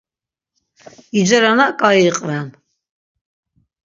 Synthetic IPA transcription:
id͡ʒaɾanakʼaiqʼvɛn

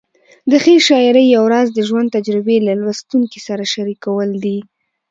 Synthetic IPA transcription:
d̪əxeʃɑɪɾəjːawɾɑzd̪əʒwan̚t̪ad͡ʒɾɪbelalwast̪uŋkisaɾaʃaɾikawəld̪i

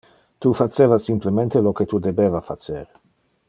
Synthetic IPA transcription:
t̪ufat͡ʃːeːvasimplement̪eloket̪ud̪ebevafat͡seɾ

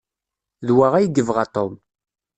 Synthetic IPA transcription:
ðwaʁæjəɡəvʁat̪ˤom

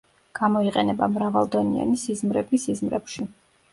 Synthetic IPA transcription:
ɡ̥amɔiqʼɛnɛbamɾavalˠd̪ɔnḭa̰nisizmɾɛbisizmɾɛpʃi

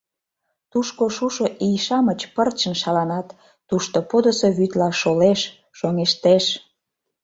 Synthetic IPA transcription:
t̪uʃkoʃuʃoʔijʃɑmət͡ɕpərt͡ɕə̆nʃɑlɑnɑt̪ː | uʃt̪opod̪osoβyt̪lɑʃoleʃ | ʃoŋeʃt̪eʃ

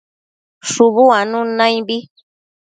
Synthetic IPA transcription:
ʃuβuanũnãj̃bi

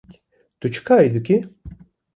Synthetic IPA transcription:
t̪ut͡ʃʰɨ̥kʰaːɾid̪uki

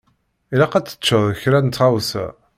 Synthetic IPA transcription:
ilæqæt͡sːə̥t͡ʃːəðˤəçɾænt̪ːʁawsæ̰

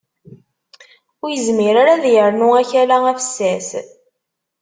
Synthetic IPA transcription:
ʊɾjəzmiɾaɾaðjəɾnʊæçælææfə̥sːæs

